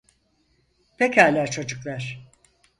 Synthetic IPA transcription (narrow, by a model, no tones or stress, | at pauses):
pʰecæɾlʲæɾt͡ʃʰo̞d͡ʒuklˠaɾ̥